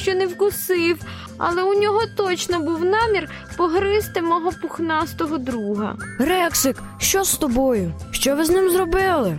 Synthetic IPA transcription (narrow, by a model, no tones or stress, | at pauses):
t͡ʃɔnewkʊsɪw | ɐ̰lˠɛʊnʲɔɦɔt̪ɔt͡ʃnɔbuwnɑmʲir | pɔɦɾɪst̪ɪmɔɦɔpʊxnɑst̪ɔɦɔd̪ɾuɦɐ̰ɾɛksɪk | ʃt͡ʃɔst̪ɔbɔjʊʃt͡ʃɔʋɪznɪmzɾɔbɪlˠɪ